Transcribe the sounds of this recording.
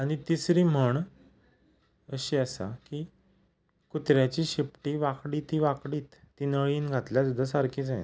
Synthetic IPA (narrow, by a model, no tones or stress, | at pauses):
aɽ̃it̪isɾiːm̤əɳ | əɕiːəsa̰kiː | kut̪ɾjat͡ɕiːɕepʈiːʋakɽiːt̪iʋakɽiːt̪ːiːnəɭiːnɡʱat̪ljasud̪ʱːasaɾkit͡saj̰